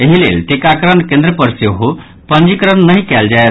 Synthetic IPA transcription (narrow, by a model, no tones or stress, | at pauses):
eɦilḛlt̪ikakɾənkẽnd̪ɾəpəɾseɦo | pənd͡ʒikɾənnəɦĩkɛld͡ʒae